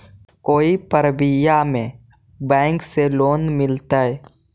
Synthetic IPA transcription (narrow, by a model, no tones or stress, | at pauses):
koːipəɾbɪjamẽ | bɛ̃ːŋkseloːnmɪlt̪aɦɛ